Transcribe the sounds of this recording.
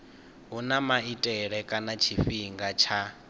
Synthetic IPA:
ɦunamaitʼɛɺɛkʼanat͡ʃʰiɸiŋɡat͡ʃʰa

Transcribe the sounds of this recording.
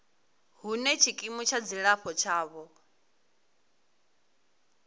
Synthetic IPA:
ɦunɛt͡ʃʰikʼimut͡ʃʰad͡ziɺaɸʰɔt͡ʃʰaːβɔ

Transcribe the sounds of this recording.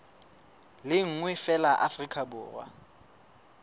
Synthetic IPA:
lɪŋ̩ŋwɛfɛlaʔafrikʰʼabʊːrwa̰

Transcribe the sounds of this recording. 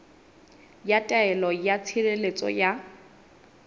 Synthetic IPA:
jatʼaɛlɔjat͡sʰirelet͡sʼɔ̰ja

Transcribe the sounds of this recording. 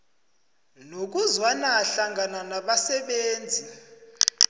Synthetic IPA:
nok̬uzwanaɬaŋɡʱananaɓasɛɓeːnd͡zʱi

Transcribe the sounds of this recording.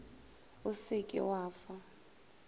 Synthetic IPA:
ʊsɪkʼɪ̰waːfa

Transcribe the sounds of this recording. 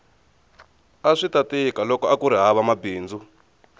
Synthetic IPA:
aʂitatikalɔkɔakuɾiɦaβamabiːnd͡zu

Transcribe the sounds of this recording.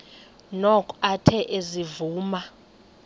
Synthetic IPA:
nɔkʼatʰɛʔezivuːma

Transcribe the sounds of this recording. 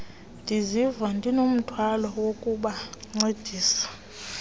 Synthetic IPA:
ndʱizivandʱinom̩tʰwalɔwokʼuɓaŋ͡ǀed̥ʱiːsḁ

